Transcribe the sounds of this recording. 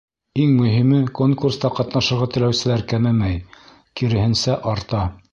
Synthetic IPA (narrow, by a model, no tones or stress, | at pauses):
iŋmɵ̆ɦimɘkoŋkurst̪ɑqɑt̪nɑʃɤ̆ɾʁɑt̪ɘ̆læwsɘ̆læɾkæmæmæj | kiɾɘ̆hɘ̆nsæʔɑɾt̪ɑ